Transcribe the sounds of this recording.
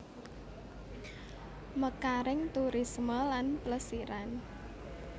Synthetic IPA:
məkaɾɪŋt̪uɾisməlanpləsiɾan

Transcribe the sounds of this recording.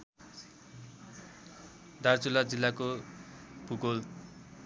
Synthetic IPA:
d̪art͡sulad͡zilːako | bʱuɡol

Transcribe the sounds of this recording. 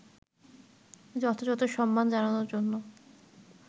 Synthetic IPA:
d͡ʑɔt̪ʰod͡ʑɔt̪ʰoʃɔmːand͡ʑananoɾd͡ʑonːo

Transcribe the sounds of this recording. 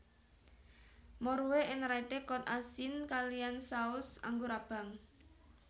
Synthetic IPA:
mɔɾuweʔɪnɾait̪ekɔt̪̚asɪnkalijansaʊsa̰ŋɡoɾab̥a̤ŋ

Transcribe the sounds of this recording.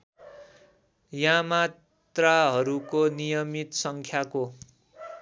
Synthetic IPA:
jãma | t̪raɦʌɾukonijʌmit̪sʌŋkʰjako

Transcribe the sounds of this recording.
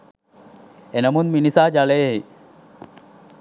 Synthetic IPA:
enɐmunminisaːd͡ʒaleːɦe

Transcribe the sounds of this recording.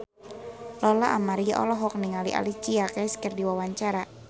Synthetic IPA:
lɔlaʔamaɾiaʔɔ̰lɔɦɔk̚niŋaliʔa̰lit͡ʃiakaskərdiwawaɲt͡ʃaɾa

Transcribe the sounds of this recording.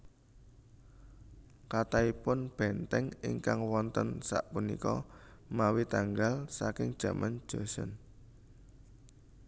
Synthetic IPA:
kat̪aipʊnb̥ɛnt̪ɛŋɪ̰ŋkaŋwɔnt̪ənsa̰ʔpunḭkɔ̰mawit̪aŋɡalsakɪŋd̥ʒ̥ä̤mʔan̥ʒ̥osɔn

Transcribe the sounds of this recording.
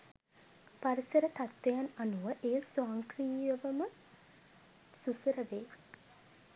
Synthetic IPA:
paɾisəɾət̪at̪ʋejananuʋəʔeːəsoaːŋkriːjəʋəmə | susəɾəʋeː

